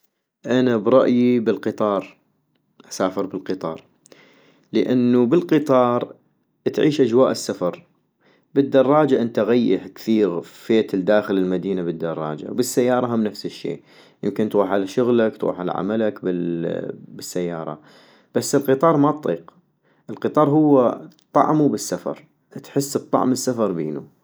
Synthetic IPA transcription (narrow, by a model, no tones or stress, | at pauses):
ʔanabɾˤɑʔjibɪlqɨt̪ˤɑːɾˤ | ʔasaːfəɾbəlqɨt̪ˤɑ̰ːɾˤ | ləʔanːubəlqɨt̪ˤɑːɾˤ | t̪ʕiːʃʔad͡ʒwaːʔɪsːafɑɾˤ | bəd̪ːɑrˤːɑːd͡ʒaʔɪnt̪aɣajːɪħkθiːɾfeːt̪ɪld̪aːxɪlɪlmad̪iːnabɪd̪ːɑrˤːɑ̰ːd͡ʒa̰wbɪsːajːɑːɾˤɑɦamnafsɪʃːḛːʔ | jɪmkɪnt̪ɣuːħʕalaʃʊɣlakt̪ɣṵːħʕa̰la̰ʕa̰malakbɪ | bɪsːajːɑːɾˤɑ̰ | b̥asːɪlqɨt̪ˤɑːɾˤmat̪ˤiːq | ʔɪlqɨt̪ˤɑːɾˤɦʊwːat̪ˤːɑ̰ʕmubɪsːafɑ̰ɾˤ | t̪ħɪs̚ːt̪ˤːɑ̰ʕməsːafɑɾˤbeːnṵ